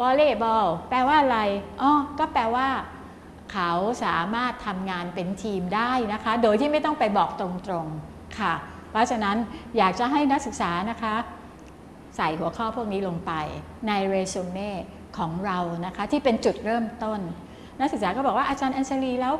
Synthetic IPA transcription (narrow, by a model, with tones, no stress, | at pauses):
bɔː˧leː˥˩bɔː˧˩wpɾɛː˧waː˥˩ʔa˧ɾa˧jʔɔː˧˩kɔː˥˩pɾɛː˧waː˥˩ | kʰa˦˥wsaː˩˦maː˥˩t̪ʰːa˧mŋaː˧npe˧nt̪ʰiː˧mdaː˥˩jna˦˥kʰa˦˥doː˧jt̪ʰiː˥˩ma˥˩jt̪ɔ˥˩ŋpa˧jbɔː˨˩k̚t̪ɾo˧ŋt̪ɾo˧ŋ | kʰa˥˩ | ɔ˦˥t͡ɕʰa˧na˦˥njaː˨˩k̚t͡ɕa˨˩ɦa˥˩jna˦˥k̚sɯ˨˩k̚saː˩˦na˦˥kʰa˦˥ | sa˨˩jhu˨˩˦ɐkʰɔː˥˩pʰu˥˩ək̚niː˦˥lo˧ŋpa˧j | na˧jɾeː˧soː˧meː˥˩ | kʰɔː˩˦ŋɾa˧wna˦˥kʰa˦˥t̪ʰiː˥˩pe˧nt͡ɕu˨˩t̪̚ɾɤː˥˩mt̪o˥˩n | na˦˥k̚sɯ˨k̚saː˨˦kɔː˥˩bɔː˨˩k̚waː˥˩ʔaː˧t͡ɕaː˧nʔa˧nsʰa˧liː˧lɛː˦˥w